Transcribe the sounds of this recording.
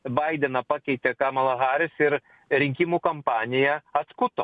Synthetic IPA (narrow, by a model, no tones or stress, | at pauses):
bɐɪd̪ʲɛnɐpɑːkʲɛɪt̪ʲɛkɑːmɐlˠɐɣɑːɾʲɪsɪɾ | ɾʲɪŋʲkʲimuːkɐmpɑːnʲɪjɛɐt̪skʊt̪o